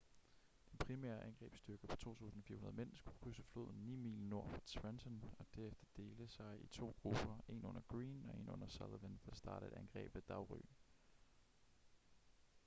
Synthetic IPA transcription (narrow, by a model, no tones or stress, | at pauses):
d̥enpʰʁimɛ̰ːɐʔænɡ̥ʁɛ̰ːb̥sd̥yɐɡ̥əpʰɒ̥̽t͡sʰo̝̰ːt͡sʰṵːsn̩ɒ̽fḭɐhunɐðˠmen̰sɡ̥u̥kʰʁysəflo̝ð̞̰ˠn̩niːmḭːlno̝ɐ̰fɒt͡sʰʋensɔnɒ̽d̥æɐefd̥ɐd̥e̝ːləsɑ̈ɪʔit͡sʰo̝̰ːɡ̥ʁub̥ɐe̝nɔ̽nɐɡ̥ʁiːnɒ̽e̝nɔ̽n̰ɐsælˠʋend̥æsd̥ɑ̈ːɾ̥əe̝d̥ænɡ̥ʁɛ̰ːb̥ʋe̝d̥ɑ̈ʊʁy̰ː